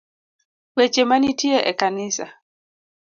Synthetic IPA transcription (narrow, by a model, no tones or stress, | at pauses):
wet͡ʃemanitʰjeʔekanɪsa̰